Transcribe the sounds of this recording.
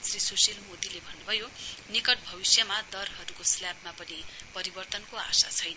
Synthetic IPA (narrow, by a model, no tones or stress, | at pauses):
t͡srisosilmod̪ilebʱʌnːubʱʌjonikʌʈ̚bʱʌbisjʌmad̪ʌrɦʌɾukosljabmapʌnipʌɾibʌrt̪ʌnkoa̰sa̰t͡sʰʌjn